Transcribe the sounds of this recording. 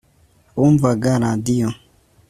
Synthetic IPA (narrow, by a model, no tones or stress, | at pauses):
umvaɡaɾadijɔ